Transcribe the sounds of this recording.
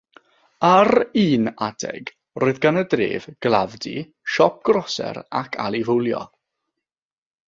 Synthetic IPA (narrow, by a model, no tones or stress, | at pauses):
aɾiːnadɛ̰ɡ | roːɨðɡanədrḛːvɡ̥lˠavdḭ | ʃɔp̚ɡ̥rɔsɛ̰ɾakʰa̰lˠivʊlˠjɔ̰